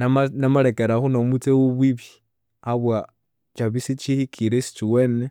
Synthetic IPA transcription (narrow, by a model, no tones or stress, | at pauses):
namanamalekeɾaxunomut͡sewuβwiβi | aβwa | t͡ʃaβisit͡ʃihikʰiɾesi̥t͡ʃiwene